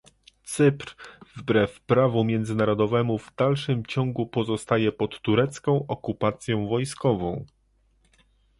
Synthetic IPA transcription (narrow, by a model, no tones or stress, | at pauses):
t̪sɘpɾvbɾɛfpɾavumʲjɛnd̪zɘnaɾɔd̪ɔvɛmuvd̪alʂɘmt͡ɕɔ̃ŋɡupɔzɔst̪ajɛpɔt̪ːuɾɛt̪skɔ̃w̃ʔɔkupat̪sʲjɔ̃w̃vɔjskɔvɔ̃w̃